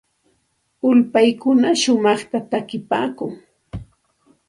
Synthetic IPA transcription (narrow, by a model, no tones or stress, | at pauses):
ʊlpajkʊnaʃʊmɑχt̪at̪akɪpa̰ːkʊŋ